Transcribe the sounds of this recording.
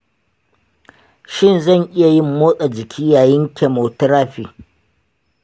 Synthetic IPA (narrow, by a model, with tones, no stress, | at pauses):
ʃɪ˦˨nzɐ˦˨ɲʔɪ˦ja˨jɪ˦mːoː˦sʼa˨d͡ʒɪ˨kʲʰiː˦jaː˨jɪ˦ŋkʲʰɛ˨moː˨tɾaː˦ɸiː˨